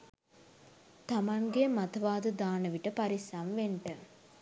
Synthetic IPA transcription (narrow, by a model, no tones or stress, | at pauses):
t̪amaŋɡemat̪ɐʋaːd̪əd̪aːnəʋiʈəpaɾisamʋeɳʈə